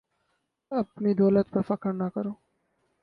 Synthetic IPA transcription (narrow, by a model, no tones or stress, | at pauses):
ɐpnid̪ɔːlət̪̚pɐfɐkəɾnakɐɾoː